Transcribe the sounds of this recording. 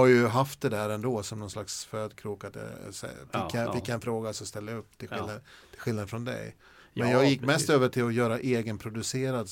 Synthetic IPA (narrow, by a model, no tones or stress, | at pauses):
aɾjɵɦaft̪̚d̪ɛd̪æːɾɛnd̪oːsɔmnɔnslaksføːd̪kʰɾuːkad̪̰sɛ̰fɪkːjfɪk̪ːjaɛnfɾoːɡasɔst̪ɛlːajaɵpːt̪ʰɪlɪlːat̪ʰɪlɧɪlnad̪ən̩fɾɔnd̪ɛ̰j | mɛnjɑːɡjɪkːmɛst̪øːvəʈʰɪlɔjœːɾaʔeːɡənpʰɾʊd̪ɵseːɾad̪